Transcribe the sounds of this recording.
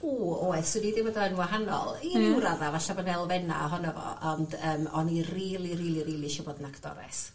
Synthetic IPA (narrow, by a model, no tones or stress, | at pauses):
uːoɛθsɪdidɪwədɔɛnwaɦanɔ̰lˠinɪwɾaðavaɬabɔnɛlˠvɛna̰aɦɔnɔvɔ̰ʔɔndəːmɔniriːlˠiriːlˠiriːlˠiʃɔbɔdnakʰd̥ɔ̰ɾɛ̰s